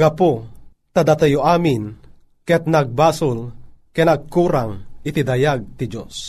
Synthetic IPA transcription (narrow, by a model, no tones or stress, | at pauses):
ɡapu | t̪ad̪at̪ajoʔaːmin | kɛt̪̚naɡ̚baːsulkɛnaɡ̚kuːɾaŋit̪id̪ajaɡ̚t̪id͡ʒo̰s